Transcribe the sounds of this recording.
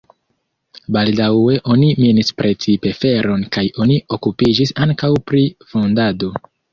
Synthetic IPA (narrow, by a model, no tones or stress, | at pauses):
baldawe̞ʔo̞niminispɾe̞t͡sipe̞fe̞ɾo̞nkajo̞nio̞kupid͡ʒisaŋkawpɾifo̞ndado̞